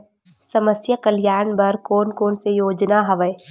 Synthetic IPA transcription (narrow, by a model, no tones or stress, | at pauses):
sɐməsjəkəljaːɾnbɐɾkoːnkoːnsejoːd͡ʒnaɦɐʋəe